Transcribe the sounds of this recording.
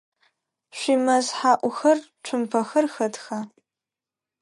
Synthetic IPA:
ʃʷimɐzħaːʔʷʊxɐrʈ͡ʂʷʰʊmpʰɐxɐrxɐdxa

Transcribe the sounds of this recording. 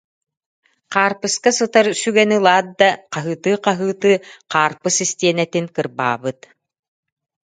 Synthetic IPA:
qaːɾpɯskasɯt̪aɾsyɡɛnɯlˠaːt̪̚d̪aqaɦɯːt̪ɯːqaɦɯːt̪ɯːqaːɾpɯsist̪iɛnɛt̪inkɯɾba̰ːbɯt̪

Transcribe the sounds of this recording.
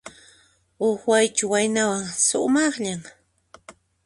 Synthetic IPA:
oχwajt͡ʃʊwajnawaŋsʊ̰mɑχʎaŋ

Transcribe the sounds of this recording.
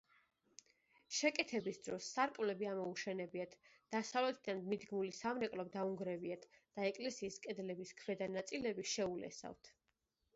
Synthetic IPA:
ʃɛkʼɛt̪ʰɛbisd̪ɾɔsːaɾkʼmlɛbiamɔuʃɛnɛbiat̪ʰ | d̪̥asavlɛt̪ʰid̪anmid̪ɡmulisamɾɛkʼlɔbd̪auŋɡɾɛviat̪ʰd̪̥aɛkʼlɛsiːskʼɛd̪lɛbiskʰvɛd̪anat̪sʼilɛbiʃɛulɛ̰sa̰vt̪ʰ

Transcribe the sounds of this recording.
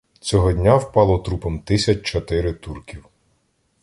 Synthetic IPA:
t͡sʲɔɦɔdʲnʲawpɑlˠɔt̪ɾupɔmt̪ɪsʲɐt͡ʃʲt͡ʃɔt̪ɪɾɪt̪urkʲiw

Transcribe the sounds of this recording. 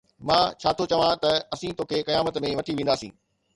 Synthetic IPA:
mãːt͡ɕʰaːt̪ʰot͡ɕɐʋãt̪ɐɐsĩt̪oːkʰekɐjaːmət̪mẽʋɐʈʰiʋẽːnd̪aːsḭ̃ː

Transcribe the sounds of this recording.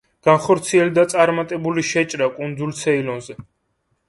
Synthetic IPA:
ɡ̥anχɔɾt̪sʰiɛld̪at̪sʼaɾmat̪ʼɛbuliʃɛt͡ʃʼɾakʼund̪zulsʰɛilɔnzɛ

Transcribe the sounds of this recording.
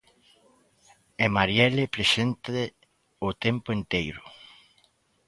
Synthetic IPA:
emaɾjɛlepɾesent̪e | ʊt̪ɛmpʊent̪ejɾʊ̰

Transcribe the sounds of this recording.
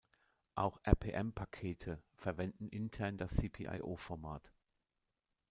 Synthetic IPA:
ʔa̰ʊxʔɛɐpʰeːʔɛmpʰakʰeːtʰəfɛɐvɛndn̩ʔɪntʰɛɐndasːiːpʰḭːʔa̰ɪʔoːfɔɐmaːt

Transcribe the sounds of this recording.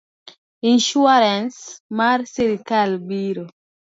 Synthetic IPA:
inʃuaɾɛnsmaɾsiɾikalbiɾo

